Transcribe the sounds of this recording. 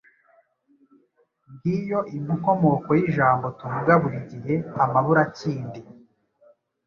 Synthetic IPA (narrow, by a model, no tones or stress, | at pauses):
ŋɡiːjo̞ʔimuŋ̥o̞mo̞kojiʒaːmbo̞tuvuɡaβuɾiɟiɦe̞amaβuɾaciːndi